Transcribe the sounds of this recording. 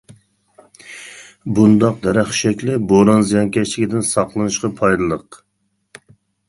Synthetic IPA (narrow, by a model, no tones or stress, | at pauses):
bund̪ɑq̚d̪ɛɾæχʃɛkʲlɪboɾɑnzɨjɑnkʲɛt͡ʃlɪkʲid̪ɪnsɑqlˠɨnɨʃqɑpʰɑjd̪ɨlˠəq